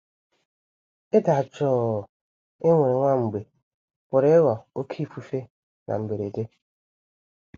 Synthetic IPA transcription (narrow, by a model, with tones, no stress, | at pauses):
e˦da˨t͡ʃɔː˦˨ | e˦ŋʷe˨ɾe˨ŋʷa˦˨ŋ͡m̩˨ɡ͡be˨ | pʊ˨ɾe˦wɔ˨o˦kʰi˦˨fu˦fe˦ | nʔa̰˨m̩˨be˨ɾe˨de˦